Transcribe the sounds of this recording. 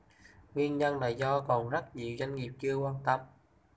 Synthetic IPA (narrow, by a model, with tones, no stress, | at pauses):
ŋwi˧ənɲə˧nla̰ː˨jzɔ˧kɔ˨˩nzə˦˥t̚ɲḭ˧˨wza˧jŋŋi˨˩əp̚t͡ɕɨ˧əkwaː˧nt̪ə˧m